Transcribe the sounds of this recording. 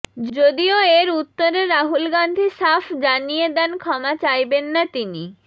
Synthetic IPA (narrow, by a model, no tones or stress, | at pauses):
d͡ʑod̪ioeɾut̪ːoɾeɾːaɦulɡand̪ʱiʃafd͡ʑanijed̪ɛnkʰɔmat͡ɕajbenːat̪ini